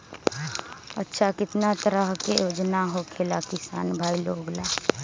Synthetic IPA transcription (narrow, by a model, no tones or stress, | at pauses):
ətːʃʰakɪt̪nat̪əɾəɦkḛjod͡ʒnaɦokʰelakɪsa̰ːnbʱailoɡla